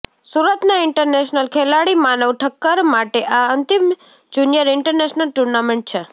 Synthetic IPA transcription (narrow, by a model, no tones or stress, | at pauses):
suɾət̪naɪɳʈəɾneʃnəlkʰɛlaɽimanəʋʈʰəkːəɾmaʈeʔaənt̪im | d͡ʒunijəɾɪɳʈəɾneʃnəlʈuɾnameɳʈ̚t͡ʃʰe